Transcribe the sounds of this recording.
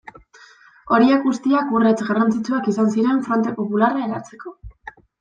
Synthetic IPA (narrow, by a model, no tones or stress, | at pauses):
o̞ɾiakɣust̪iakure̞t͡sɡarant͡sit͡suakisansiɾe̞ɱfɾo̞nt̪e̞po̞pularae̞ɾaɾt͡se̞ko̞